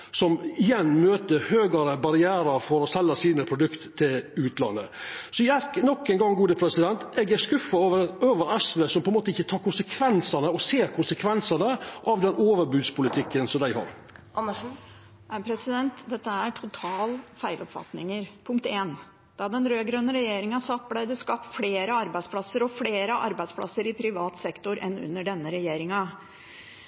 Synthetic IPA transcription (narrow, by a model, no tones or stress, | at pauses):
sɔmɪjɛnːmøːt̪əhøːɡəɾəbɑɾɪæːɾɑɾfɔɾɔsɛlːəsiːnəpʰɾʊd̪ʉkt̪ʰːɪlʉːt̪lɑ̰nːə̰sɔjæɾknɔkːɛnɡɑŋɡuːd̪əpʰɾɛsɪd̪ɛnt̪ɛɡæɾskʉfːɑoːʋəɾoːʋəɾɛsʋesɔmpʰɔɛnmoːt̪əɪçːət̪ʰɑːɾkʊnsəkʰʋɛnsənəɔseːɾkʰʊnsəkʰʋɛnsənəʔɑʋd̪ɛnoːʋəɾbʉːd̪spʊlɪt̪ʰɪkːənsɔmd̪æɪhɑ̰ɾ | ʔɑnːəʂ | æpʰɾɛsɪd̪ɛnt̪d̪ɛt̪ːəæʈʰʊt̪ʰɑːlfæɪlɔpfɑ̰t̪nɪŋəɾpʰʊŋkt̪eːn | d̪̥ɑd̪ɛnɾøːɡɾøːnːəɾɛjeːɾɪŋɑsɑt̪̚blæɪd̪ɛskɑːpːfleːɾəɑɾbæɪspʰlɑsːəɾɔfleːɾəʔɑ̰ɾbæɪd̪spʰlɑ̰sːəɾɪpʰɾɪʋɑːt̪sɛkt̪ʊɾʔɛ̰nːʉ̰nːəɖɛnːəɾɛjeːɾɪŋɑ